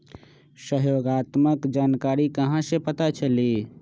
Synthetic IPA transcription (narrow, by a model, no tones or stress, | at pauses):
səɦjoːɡaːt̪məkd͡ʒaːnkaɾikəɦãsepət̪at͡ʃəli